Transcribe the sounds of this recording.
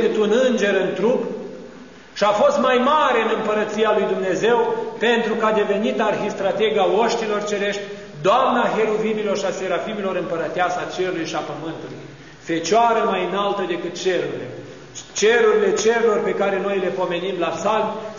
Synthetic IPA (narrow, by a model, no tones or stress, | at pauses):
kɨt̪unɨnd͡ʒe̞ɾɨnt̪ɾup | ʃiafo̞st̪majmaɾe̞ɨnɨmpəɾət̪sijalujd̪umne̞ze̞wpe̞nt̪ɾukad̪e̞ve̞nit̪arhist̪ɾat̪e̞ɡaoʃt̪ilo̞rt͡ʃe̞ɾe̞ʃt̪ʲ | d̪oamnaɦe̞lovimilo̞rʃiase̞ɾafimilo̞ɾɨmpəɾət̪easat͡ʃe̞ɾulujʃiapəmɨnt̪ulujj | fe̞t͡ʃaɾəmajɨnalt̪əd̪e̞kɨt̪̚t͡ʃe̞ɾuɾile̞̰ | t͡ʃeɾuɾile̞t͡ʃe̞ɾelo̞rpe̞kaɾe̞no̞jle̞po̞me̞nimlasalm